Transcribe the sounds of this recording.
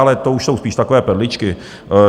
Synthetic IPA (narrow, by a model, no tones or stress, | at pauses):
alɛt̪ouʃso̞wspiːʃt̪akovɛːpɛdlɪt͡ʃkɪ